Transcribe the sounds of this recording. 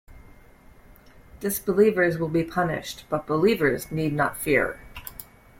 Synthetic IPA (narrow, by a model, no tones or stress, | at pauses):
d̥ɪsb̥əlivə˞zwəlˠbipʰʌnɪ̰ʃtb̥ʌt̚b̥əlivə˞znidⁿnə̰tfɪ̰ɹ